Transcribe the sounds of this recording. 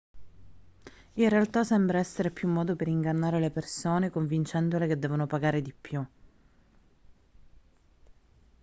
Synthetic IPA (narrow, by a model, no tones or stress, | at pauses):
inrealt̪asɛmbɾaɛsːeɾepjumːɔːd̪opeɾiŋɡanːaːɾelepersoːnekoɱvint͡ʃɛnd̪oleked̪ːɛːvonopaɡaːɾed̪ipːju